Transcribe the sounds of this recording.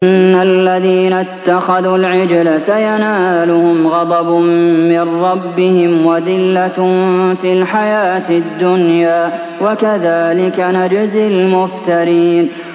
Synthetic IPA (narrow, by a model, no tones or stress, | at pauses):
nːalːaðiːnat̪ːaxaðulʕɪd͡ʒlasajanaːlʊhʊmɣɑd̪ˤɑbmɪnːɑbːɪhɪmwaðɪlːafilħajaːt̪ɪd̪ːʊnjaː | wakaðaːlɪkanad͡ʒɪzɪlmʊft̪aɾiːn